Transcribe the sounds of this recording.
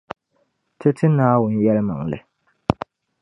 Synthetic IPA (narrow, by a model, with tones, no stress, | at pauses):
tʰɨ˦tɨ˦naː˦wʊ˨n̩˦jɛ˦lɨ˦ma̰˨ŋlɨ̰˨